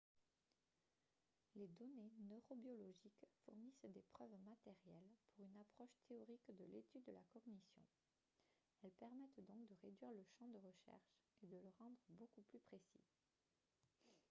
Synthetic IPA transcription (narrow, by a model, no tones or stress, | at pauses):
led̪ɔnenøʁobjɔlɔʒikfuʁnisd̪epχœvmat̪ɛʁjɛlpʰuʁynapχɔʃt̪ʰeɔʁikd̪əlet̪yd̪ːəlakɔʁnisjɔ̰̃ | ɛlpɛʁmɛt̪d̪ɔ̃kd̪əʁed̪ɥiʁləʃɑ̃d̪əʁəʃɛ̰ʁʃed̪ələʁɑ̃d̪ʁəbokuplypχesḭ